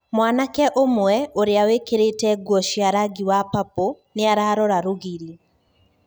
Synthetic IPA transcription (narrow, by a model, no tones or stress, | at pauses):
mwanakɛʔomwɛoɾeawekeɾetɛɡwɔʃiaɾaɡiwapapo | neaɾaːɾɔɾaɾoɣiɾi